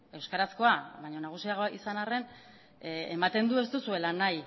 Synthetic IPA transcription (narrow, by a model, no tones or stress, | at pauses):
e̞wskaɾasko̞aβajɲo̞naɣ̞usiaɣoisanare̞n | emat̪e̞nd̪ue̞st̪usue̞lanaj